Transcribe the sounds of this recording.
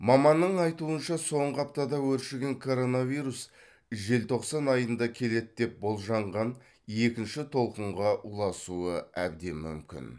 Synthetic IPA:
mɑmɑnːəɴɑjt̪uənʃɑso̞ɴʁəɑp̚t̪ɑd̪ɑwɵɾʃɪɡʲe̞ŋkʰo̞ɾo̞navijɾus | ʒe̞lt̪ʰo̞qsɑnɑjənd̪ɑkʲʰe̞le̞t̪d̪e̞p̚bo̞lˠʒɑɴʁɑn | e̞kʲɪnʃɪt̪ʰo̞lˠqəɴʁɑʔulˠɑsuəæb̚d̪e̞mːʏ̰mkʲɪ̰n

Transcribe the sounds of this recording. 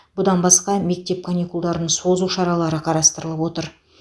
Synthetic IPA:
bʊd̪ɑnbɑsqɑme̞k̚t̪e̞p̚kʰanikulˠd̪ɑɾd̪əɴso̞zuʃɑɾɑlˠɑɾəqʰɑɾɑst̪əɾəlˠəpwo̞t̪əɾ

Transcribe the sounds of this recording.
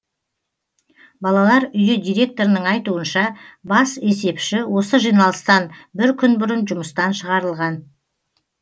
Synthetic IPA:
bɑlˠɑlˠɑɾʏjɪd̪ijɾʲe̞k̚t̪o̞ɾɪnəɴɑjt̪uənʃɑbɑse̞se̞pʃɪwo̞səʒijnɑlˠəst̪ɑnbɪɾkʲʰʏnbʊɾənʒʊməst̪ɑnʃəʁɑɾəlˠʁɑn

